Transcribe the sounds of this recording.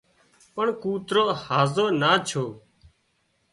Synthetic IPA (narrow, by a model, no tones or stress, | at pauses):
pəɳkuːt̪ɾoːhaːzoːnaːt͡ʃʰoː